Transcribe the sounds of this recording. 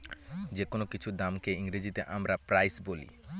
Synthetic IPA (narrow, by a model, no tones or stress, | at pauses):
d͡ʑekonokit͡ɕʰud̪amkeiŋɾid͡ʑit̪eʔamɾapɾajsbolḭ